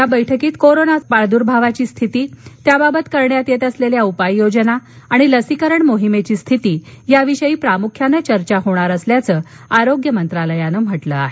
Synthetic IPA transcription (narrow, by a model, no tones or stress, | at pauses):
jabəjʈʰəkiːt̪koɾonapaɭd̪uɾbʱaʋat͡ɕiːst̪ʰit̪iːt̪jababət̪kəɾɳjat̪jet̪əsleljaupajːod͡ʑənaː | ɽ̃iləsikəɾəɳmoɦimet͡ɕiːst̪ʰit̪iːjaʋiɕəjiːpɾamukʰjanət͡ɕəɾt͡ɕaɦoɽ̃aɾəsljat͡səː | aɾoɡjəmənt̪ɾaləjanəm̤əʈləa̰ɦe